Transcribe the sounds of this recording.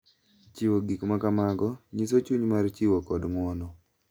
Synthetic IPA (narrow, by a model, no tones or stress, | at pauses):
t͡ʃɪwoɡikmakamaɡɔɲis̬ot͡ʃuɲmart͡ʃɪwokɔdmɔnɔ